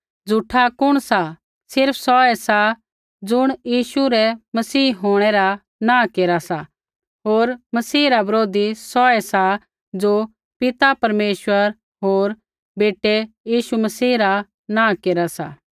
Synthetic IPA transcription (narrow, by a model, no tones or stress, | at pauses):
d͡zʱuʈʰakʊɽ̃sa | sɪɾpʰsɔːɛsa | d͡zʊɽ̃jiːʃuɾɛmɐsiːɦoːɽ̃ɛɾa | nãːkeːɾasa | ɦoːɾmɐsiːɾabɐɾoːd̪isɔːɛsa | d͡zo | pɪt̪apɐɾmeːʃwəɾ | ɦoːɾ | beːʈejiːʃumɐsiːɾa | nãːkeːɾasa̰